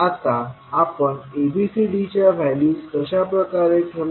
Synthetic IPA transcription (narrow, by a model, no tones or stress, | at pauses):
at̪a | apəɳebisiɖit͡ɕjabʱajliːt̪əɕapɾəkaɾet̪ʰel